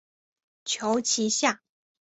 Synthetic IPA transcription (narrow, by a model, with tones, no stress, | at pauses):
t͡ɕʰjo˧˥ʊt͡ɕʰi˧˥ɕja˥˩